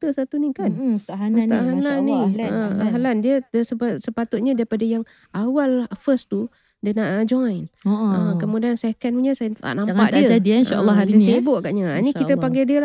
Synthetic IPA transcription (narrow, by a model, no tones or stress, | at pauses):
t̪əsat̪unikanst̪aɦanast̪aʔɦananːiəaɦalandiəəsəpsəpat̪ʊt̪̚ɲadaɾipadajaŋ | ʔawalfəst̪u | dənaʔd͡ʒɔjnʔəkəmudiansekənuɲəsajt̪a̰ʔnampaʔdiəadinalːddiəsəbʊʔɡaʔɲaanikit̪əpaŋɡɛdiəl